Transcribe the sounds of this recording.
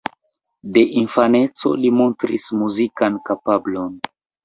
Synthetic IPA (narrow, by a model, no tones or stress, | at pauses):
de̞ʔinfane̞t͡so̞̰limo̞ntɾḭsmuzikankapablo̞n